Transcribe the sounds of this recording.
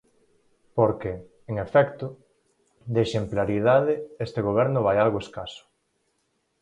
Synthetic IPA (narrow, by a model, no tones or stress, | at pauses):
poɾke | eŋefɛkt̪ʊ | d̪eʃemplaɾiðaðɪest̪eɣoβɛɾnʊβ̞ajalɣoeskasʊ̥